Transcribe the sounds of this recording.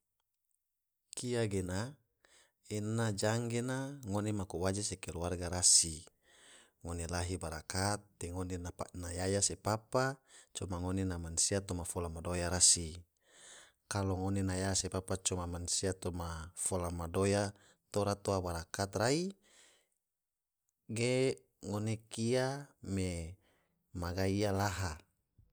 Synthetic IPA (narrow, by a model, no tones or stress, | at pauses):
kiaɡena | enad͡ʒaŋɡenaŋonemakowad͡ʒasekɛɾuarɡaɾasi | ŋonelaɦibaɾakat̪̚deŋonennajajasepapat͡ʃɔmaŋonenamansiat̪omafolamadojaɾasi | kaloŋonenajasepapat͡ʃɔmamansiat̪omafolamadoja | t̪oɾat̪oabaɾakat̪rai | ɡe | ŋonekiame | maɡaialaɦa